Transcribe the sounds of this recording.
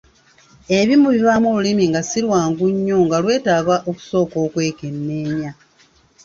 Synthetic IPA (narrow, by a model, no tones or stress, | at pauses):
e̞βimuβiβamoulimiŋɡasilwaːŋɡuɲːo̞ŋɡalwe̞ːtaːβaʔoku̥so̞ːko̞ːkwe̞ːke̞nːe̞ːɲa